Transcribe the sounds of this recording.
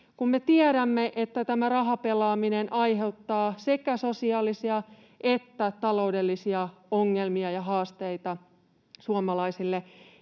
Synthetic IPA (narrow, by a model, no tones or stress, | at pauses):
kummet̪iæɾæmːeʔet̪ːæt̪æmærɑɦɑpelɑːminenʔɑjhe̞wt̪ːɑːsekæso̞siɑːlisiɑ | ʔet̪ːæt̪ɑlo̞wde̞lːisiɑoŋːelmiɑjɑɦɑːst̪eit̪ɑ | suɑmɑlɑisilːe